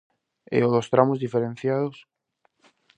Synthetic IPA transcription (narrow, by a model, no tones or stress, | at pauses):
ḛoðost̪ɾamozðifeɾẽn̟θjað̞os